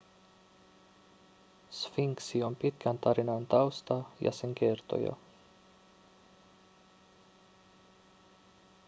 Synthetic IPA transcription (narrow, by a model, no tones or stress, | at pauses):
sfiŋksio̞mpit̪kʰænt̪ɑɾinɑnt̪ɑwst̪ɑjɑ̰se̞ŋk̟e̞rt̪o̞̰jɑ̰